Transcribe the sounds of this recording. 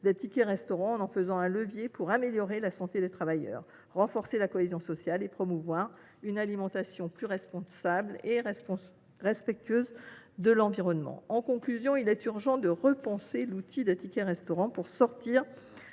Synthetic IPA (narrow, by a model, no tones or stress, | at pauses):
d̪ɛt̪ikʲɛʁɛst̪ɔʁɑ̃ɑ̃nɑ̃fəzɑ̃ɛ̃ləvjepʰuʁameljɔʁelasɑ̃t̪ed̪et̪χavajœ̰ːʁː | ɑ̃fɔʁselakɔezjɔ̃sɔsjalepχɔmuvwaʁ | ynalimɑ̃t̪asjɔ̃plyʁɛspɔ̃sable | ʁɛspɛk̚t̪ɥøzd̪əlɑ̃viʁɔnmɑ̰̃ɑ̃kɔ̃klyzjɔ̃ilɛt̪yʁʒɑ̃d̪əʁəpɑ̃selut̪ʰid̪ɛt̪ikʲɛʁɛst̪ɔʁɑ̃puʁsɔʁt̪iʁ